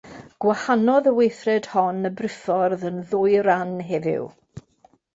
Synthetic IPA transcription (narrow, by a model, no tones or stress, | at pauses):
ɡ̥wahanɔðəwejθrɛd̥hɔnəbrɪfɔrðənðʊɨɾanɦɛvɪ̰w